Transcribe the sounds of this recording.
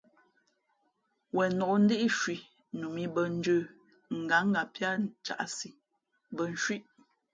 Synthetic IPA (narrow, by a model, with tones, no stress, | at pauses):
wɛ˨nɔ˨ʔn̩˦de˦ʔi˦ʃwi˨ | nu˨mi˦bə˨n̩˦d͡ʒə˦˨ | ŋ̩˨ɡa˨˦ŋ̩˦ɡa˨pja˦˨t͡ʃa̰˨ʔsi˨ | bə˨n̩˨ʃwi˦ʔ